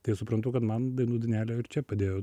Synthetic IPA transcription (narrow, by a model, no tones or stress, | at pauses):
t̪ɐɪsʊpɾɐnt̪ʊkɐt̪mɐnd̪ɐɪnuːd̪ʲɪnʲæːlʲoːɪɾt͡ʃʲɛpɐd̪ʲeːjoː